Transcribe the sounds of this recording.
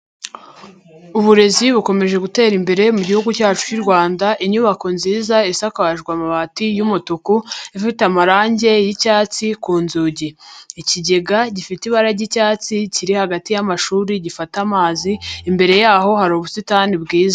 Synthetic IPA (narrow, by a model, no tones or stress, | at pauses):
uβuɾe̞ziβuko̞me̞ʒeɡute̞ːɾimbe̞ɾe̞muɟihuɡucaːt͡ʃu̥ciɾɡwaːndaʔiɲuβakonziːzaisakaβaʒɡwamaβatijumutukuifitamaɾaːɲɟe̞jicaːt͡sikuːnzuːɟeːciɟe̞ɡaɟifitiβaɾaɟicaːt͡siciɾihaɡatijamaʃuːɾiɟifatamaːziːmbe̞ɾe̞jaːɦo̞haɾoβusitanibɡiːza